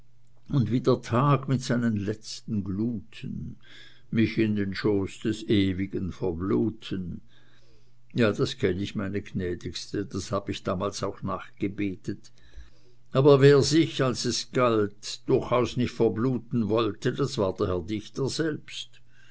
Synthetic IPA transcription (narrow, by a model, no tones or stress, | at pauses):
ʊndviːdeːɐtʰaːɡmɪtsaɪnənlɛt͡stn̩ɡluːtʰən | mɪçɪndenʃoːsd̥ɛseːviɡənfɛɐbluːtʰən | jaːd̥askʰɛnəɪçmaɪnəɡnɛːd̥ɪkstəd̥ashaːb̥əiçd̥aːmaːlsaʊxnaːχɡ̥əbeːtət | ʔaːbɐveːɐzɪçalsɛsɡ̥altd̥ʊxaʊsnɪçtfɛɐbluːtn̩vɔltədasv̥aːɐd̥əɐhɛɐdɪçtəz̥ɛlpst